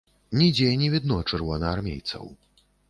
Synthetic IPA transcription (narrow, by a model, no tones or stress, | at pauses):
nʲid͡zʲɛnʲɛvʲid̪nɔt͡ʂɨrvɔnɐarmʲḛjt̪sɐ̰w